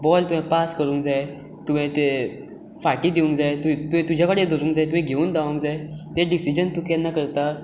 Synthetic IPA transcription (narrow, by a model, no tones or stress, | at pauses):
bɔlt̪uɦɛ̃paskəɾũːŋkd͡zaj | t̪um̤ɛ̃t̪e | faʈiːd̪iũŋkd͡zajt̪ut̪uɛ̃t̪ud͡ʑʱjakəɽed̪ʱəɾũːŋkd͡zajt̪umẽɡʱeuːnd̪aʋũŋkd͡zajt̪eɖisid͡ʑənt̪ukɛnːakəɾt̪a